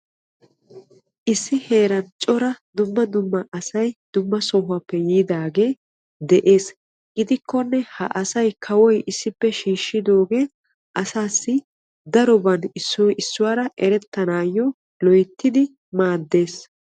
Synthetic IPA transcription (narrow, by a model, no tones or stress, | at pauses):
ʔɪsːɪhe̞ːɾɐnt͡ʃʼɔɾɐd̪ʊmːɐd̪ʊmːɐʔɐsɐjd̪̥ʊmːɐsɔɦʊɐpːɛjiːd̪aːɡe̞ː | d̪ɛʔe̞ːs | ɡɪd̪ɪkʰːɔnːɛhɐ̰ʔɐsɐjkʰɐwɔjʔɪsːɪpːɛʃiːʃːɪd̪o̞ːɡe̞ː | ʔɐsaːsːɪ | d̪ɐɾɔbɐnɪsːɔɪsːʊwaːɾɐʔɛɾɛt̪ːɐnaːjːɔ | lɔjt̪ːɪd̪ɪ | maːd̪ːe̞ːs